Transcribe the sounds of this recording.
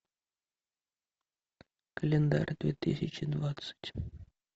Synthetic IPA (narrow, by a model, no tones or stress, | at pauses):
kəlʲɪnd̪a̰ɾʲd̪vʲet̪ɨsʲɪt͡ɕɪd̪vat̪sɨ̥tʲ